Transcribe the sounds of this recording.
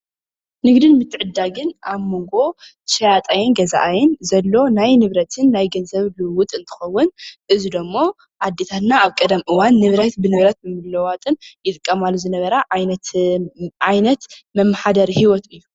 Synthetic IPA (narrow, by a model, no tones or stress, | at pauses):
nɨɡd̪ɨnmɨt̪ʰːɨʕɨd̪ːaɡɨnʔaβmo̞ŋɡo̞ | ʃɐjat̪ʼajɛnɡɐza̰ʔajɛnzɐlːo̞najnɨβɾɐt̪ʰɨnːajɡɐnzɐβlɨwʊt̪ʼɨnt̪ʰɨ̥xɐwːʊnʔɨzid̪omːo̞ | ʔad̪ːet̪ʰat̪naːβkʼɐd̪ɐmʔɨwanːɨβɾɐt̪bɨnɨβɾɐt̪̚mɨmɨlɐwat̪ʼɨnjɪt̪ʼɨkʼːɐmalːuzɨnɐβɐɾaʕjnɐt̪ | ʕajnɐt̪mɐmːaħad̪ɐɾhiwɔt̪ɨjːu